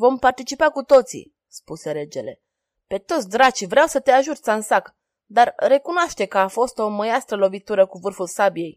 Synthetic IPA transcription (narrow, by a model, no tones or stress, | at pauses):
vo̞mpart̪it͡ʃipakut̪o̞t̪sḭ | spuse̞ɾe̞d͡ʒe̞le̞̰ | pe̞t̪ot̪s̬ʲd̪ɾat͡ʃivɾeawsət̪eaʒut̪sansak | d̪arre̞kunoaʃt̪e̞kəafo̞st̪o̞məjast̪ɾəlo̞vit̪uɾəkuvɨrfulsabije̞j